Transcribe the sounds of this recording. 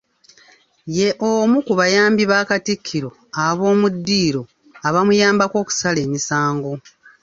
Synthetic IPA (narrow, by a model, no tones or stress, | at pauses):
je̞ʔomukuβajaːmbiβaːkatikʰːiɾo̞ | aβo̞ːmudːiːɾo̞ | aβamujaːmbako̞ːku̥sale̞ːmisaːŋɡo̞